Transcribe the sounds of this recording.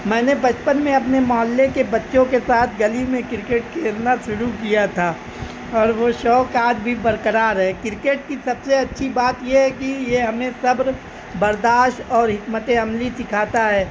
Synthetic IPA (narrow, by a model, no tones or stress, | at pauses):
mɛ̃ːnebɐt͡ʃpənmẽɐp̬nemaːlːekebɐtːʃõkesaːt̪ʰɡɐlimẽkɪɾkeːʈ̚keɪɾnaʃʊɾukijat̪ʰaː | ɔːɾʋoʃɔːkaːd͡ʒbʱibɐɾkəɾaːɾɦɛkɪɾkeːʈ̚kisɐbseɐtːʃʰibaːt̪jeɦɛkijeɦɐmẽsɐbɾ | bɐɾd̪aːʃʈɔːɾɦɪkmət̪eɐmlisɪkʰaːt̪aɦɛː